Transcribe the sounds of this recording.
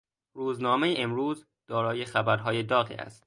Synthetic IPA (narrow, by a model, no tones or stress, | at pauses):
ɾuːznɒːmejeʔemɾuːz | d̪̥ɒːɾɒːjexæbæɾɦɒːjed̪ɒːɣḭːæ̰st̪